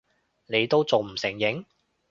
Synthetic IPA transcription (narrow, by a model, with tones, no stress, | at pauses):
ne˨˧jt̪o˥wt͡so˨wm̩˨˩sɪ˨˩ŋjɪ˨˥ŋ